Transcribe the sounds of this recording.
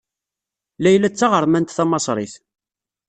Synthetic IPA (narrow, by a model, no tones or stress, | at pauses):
læjlæt͡sːɑʁəɾˤmænt̪θæmɑsˤɾˤḭθ